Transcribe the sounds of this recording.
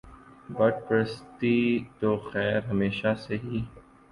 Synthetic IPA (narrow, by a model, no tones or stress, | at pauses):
bɐʈ̚pɾəst̪it̪oːxɛːɾɦɐmeːʃaseɦiː